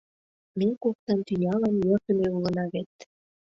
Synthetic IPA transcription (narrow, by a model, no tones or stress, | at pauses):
mekok̚t̪ɑnt̪ynʲɑlɑnjørt̪ə̆meulə̆nɑβet̪